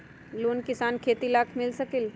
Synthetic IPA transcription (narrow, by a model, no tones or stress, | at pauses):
loːnkɪsaːnkʰeːt̪ilaːkʰmɪlsəkɪl